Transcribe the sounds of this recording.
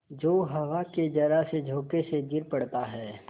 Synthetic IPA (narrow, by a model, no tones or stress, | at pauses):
d͡ʒoːɦɐʋaked͡ʒɐɾased͡ʒʱoːkeseɡɪɾpɐɽt̪aɦɛː